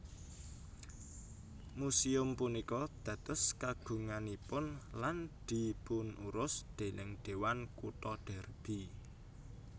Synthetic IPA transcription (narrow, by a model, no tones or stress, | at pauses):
musiʊmpunikɔd̪̥ä̤t̪ʊ̤skaɡ̥ṳŋanipʊnland̪̥i̤punuɾʊsd̪̥e̤nʔɪŋɖ̪̥e̤wankut̪ɔɖ̪̥ɛ̤rb̥i